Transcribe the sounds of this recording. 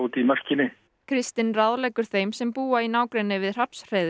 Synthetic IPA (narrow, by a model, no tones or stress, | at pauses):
uːt̪imar̥cɪnɪ | kʰɾɪst̪ɪnraðlɛjkʏɾ̥θejmsɛmpuːainaːwkɾenːɪvɪðr̥apsr̥ejð